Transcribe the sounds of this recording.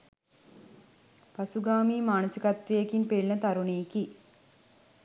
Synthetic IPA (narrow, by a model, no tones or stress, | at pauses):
pasuɡaːmiːmaːnusikat̪ʋejekinpeɭinət̪aɾuneːki